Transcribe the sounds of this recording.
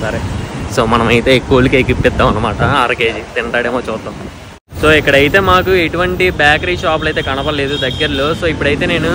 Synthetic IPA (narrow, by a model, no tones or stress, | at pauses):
sɐɾeso̞ːmɐnɐmɐjit̪e̞ːkːuɐlukeːkipːɛd̪ːaːmɐnːɐmaːʈɐaːɾɐke̞ːd͡ʒit̪iɳʈaːɽeːmoːt͡ʃɔːt̪lɐ | so̞ːikːɐɽɐjit̪e̞ːmaːkueʈuʋɐɳʈibjaːkɐɾiːʃaːp̬lɐjt̪e̞ːkɐɳɐpɐle̞ːd̪ud̪ɐɡːɐɾɐloːso̞ːipːuɽɐjit̪e̞ːne̞ːnu